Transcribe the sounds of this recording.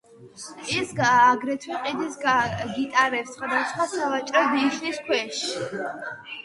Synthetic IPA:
ɛsɡːɡɾɛt̪ʰwɛqʼid̪isɡit̪ʼaɾɛpsχwad̪asχwasavat͡ʃʼɾɔd̪iʃniskʰwɛʃ

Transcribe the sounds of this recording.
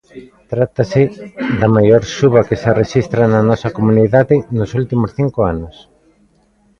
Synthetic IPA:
t̪ɾat̪asɪðɐmajoɾʃuβɐkesereʃist̪ɾanɐnɔsɐkomuniðaðɪnosult̪imosθiŋkoanʊs

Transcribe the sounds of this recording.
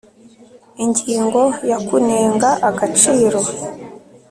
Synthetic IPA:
iɲɟiːŋɡo̞jakuneːŋɡaʔaɡat͡ʃiːɾo̞

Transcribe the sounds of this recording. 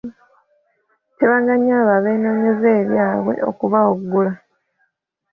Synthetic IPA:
teβaːŋɡaɲaβaβe̞ːnoɲezeːβjaːβwe̞̰ʔo̞̰kuβaoɡːula

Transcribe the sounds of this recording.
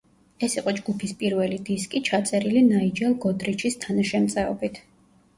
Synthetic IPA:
ɛsiqʼɔd͡ʒɡupʰispʼiɾvɛlid̪iskʼit͡ʃʰat̪sʼɛɾilinaid͡ʒɛlˠɡɔd̪ʼɾit͡ʃʰist̪ʰanaʃɛmt̪sʼɛɔbit̪ʰ

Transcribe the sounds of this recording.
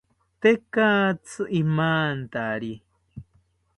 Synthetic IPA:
t̪ekaːt͡sɨʔimaːnt̪aɾi

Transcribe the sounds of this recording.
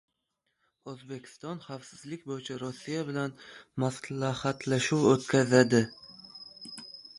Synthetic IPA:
ɵzbekʲʰɪ̥st̪ɒnχafsɪzlɪkʲbojɪt͡ʃʰaɾosːijabɪlanmaslahat̪ʰlaʃuwot̪kʲʰazad̪ɪ

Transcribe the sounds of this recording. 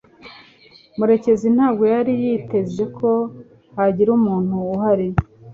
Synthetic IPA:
muɾe̞ce̞zin̥haːbɡo̞jaɾijite̞zwe̞kʰo̞ | haɟiɾumuːn̥uːhaɾije

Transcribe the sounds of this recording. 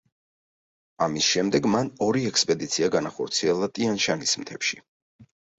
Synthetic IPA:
amisʃɛmd̪ɛɡmanɔɾiɛkspʼɛd̪it̪sʰiaɡanaχɔɾt̪sʰiɛlˠat̪ʼianʃanismt̪ʰɛpʃi

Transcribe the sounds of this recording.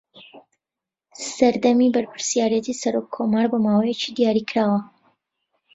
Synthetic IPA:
sɐɾd̪ɐmibɐɾpʰɨ̥ɾsijaːɾjɛt̪ʰisɐɾoːkʰːomaːɾbəmaːwejet͡ʃid̪ijaːɾikʰɾaːwɐ

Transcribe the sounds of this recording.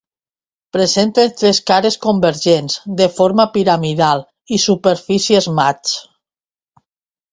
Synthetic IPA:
pɾezent̪ent̪ɾeskaɾeskombeɾʒenzd̪efoɾmapiɾamiðalˠ | isupeɾfisiezmat͡s

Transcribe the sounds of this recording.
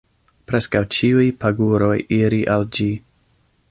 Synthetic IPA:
pɾe̞skawt͡ʃiujpʰaɡuɾo̞jiɾiʔald͡ʒi

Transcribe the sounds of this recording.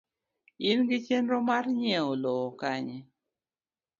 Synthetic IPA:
ɪnɡɪt͡ʃenɾɔmarɲɛolɔkaɲe

